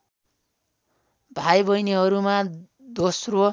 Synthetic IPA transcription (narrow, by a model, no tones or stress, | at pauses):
bʱajbʌjniɦʌɾuma | d̪osro